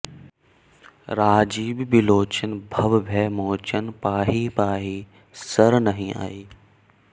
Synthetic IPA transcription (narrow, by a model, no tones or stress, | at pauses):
ɾaːd͡ʒiːbbɪloːt͡ɕənbʱɐʋbʱeːmoːt͡ɕənpaːɦiːpaːɦiː | sɐɾnɐɦĩa̰ːiː